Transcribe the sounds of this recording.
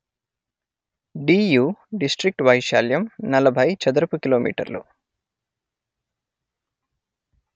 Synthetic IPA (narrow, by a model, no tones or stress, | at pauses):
ɖiːjuːɖisʈɾik̚ʈʋɐjʃaːljɐmnɐlɐbʱɐjt͡ʃɐd̪ɐɾɐpukiloːmḭːʈɐ̰ɾlṵ